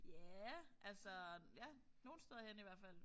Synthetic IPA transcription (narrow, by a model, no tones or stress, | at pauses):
jæʔælsɒjæno̝ːn̩sd̥eð̞ˠɐhen̰iʋæɐ̰fæl̰